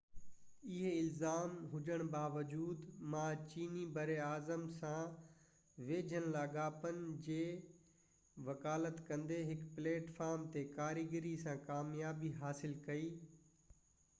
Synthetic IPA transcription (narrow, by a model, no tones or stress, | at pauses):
ɪɦeɪlzaːmɦʊd͡ʑəɽ̃baːʋəd͡ʑuːd̪mãːt͡ɕiːnibɐɾeaːzəmsã | ʋeːd͡ʑʱənlaːɡaːpənɪ̆d͡ʑeː | ʋɐkaːlət̪kɐ̃nd̪eɦɪkpleːʈfaːɾmt̪ekaːɾiɡɪɾisãkaːmjaːbiɦaːsɪlkɐiː